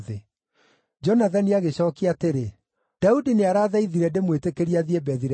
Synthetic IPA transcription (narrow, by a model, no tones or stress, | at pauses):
ðe | d͡ʒɔnaðaniaɣeɕɔːkiateɾe | d̥audineaɾaːðaiðiɾɛndemwetekeɾiaðiebɛðiɾɛ